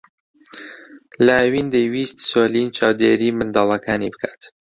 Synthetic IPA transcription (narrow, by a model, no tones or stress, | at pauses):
lawind̪əjwist̪soːlint͡ʃʰaːwd̪eɾiːmɨnd̪ɑːlˠɐkʰaːnibɨkʰḁːt̪